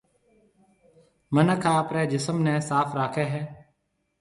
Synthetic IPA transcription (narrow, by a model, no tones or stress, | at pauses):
mənəkʰãːəpɾeːd͡ʒɪsəmnɛ̃ːsaːfɾaːkʰeːɦɛː